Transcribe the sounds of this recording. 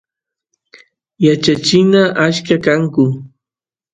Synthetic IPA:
jat͡ʃat͡ʃɪnaʔaʃkakaŋkʊ

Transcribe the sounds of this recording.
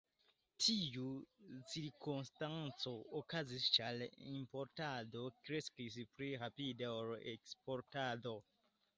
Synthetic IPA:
tʰijut͡siɾkunstant͡soːkazist͡ʃalḭmpoɾtado̞kɾeskis̬pɾiɾapideoɾekspoɾtado

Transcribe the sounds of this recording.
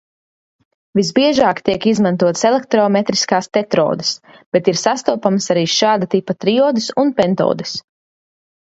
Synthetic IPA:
vizbiɛʒaːkt̪iɛkizmãnt̪uɔt̪selˠek̚t̪ɾɔmet̪ɾi̥skaːst̪ɛt̪ɾɔ̰ːd̪ɨ̥s | b̥et̪iɾsast̪uɔpamsaɾiːʃaːd̪at̪ipat̪ɾiɔːd̪ɨsunpent̪oɔ̰ːd̪ɨs

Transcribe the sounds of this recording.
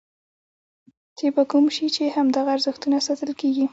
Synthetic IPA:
t̪ebakumʃit͡ʃehamd̪aɣaːɾzəxt̪unasat̪əlkeɡi

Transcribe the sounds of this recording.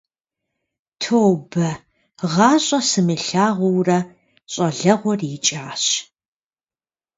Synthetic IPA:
tʰoːwbɐ | ʁɑːɕʷʼɐsɨmɨɬaːʁʷʊwrɐ | ɕʷʼɐɮɐʁʷɔrit͡ʃʼaːɕ

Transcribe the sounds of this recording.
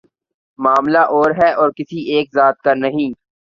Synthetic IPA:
maːmlaʔɔːɾɦɛɔːɾkɪsiʔeːkzaːt̪̚kanɐɦĩː

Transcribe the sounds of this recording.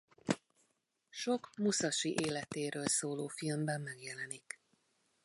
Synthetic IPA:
ʃo̞kmusɒʃiʔeːlɛt̪eːɾøːlsoːloːfilmbɛmːɛɡjɛlɛnik

